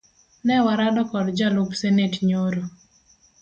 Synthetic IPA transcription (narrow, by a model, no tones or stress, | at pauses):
nɛwaɾadɔkɔdd͡ʒalʊpsenetɲoɾo